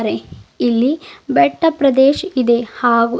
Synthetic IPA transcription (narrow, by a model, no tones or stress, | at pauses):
ɾeilːibɛʈːɐpɾɐd̪eːʃid̪e̞haːɡu